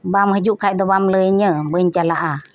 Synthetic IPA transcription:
bamhəjuʔkʰajd̪əbamləjɲəbəɲt͡ɕalaʔa

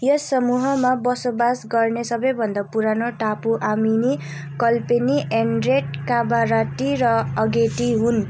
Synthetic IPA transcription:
jʌsʌmuɦʌmabʌsobasɡʌrnesʌbʌjbʱʌnd̪apuɾanoʈapuʔamini | kʌlpeniʔenreʈ̚kabaɾaʈiɾʌʌɡeʈiɦun

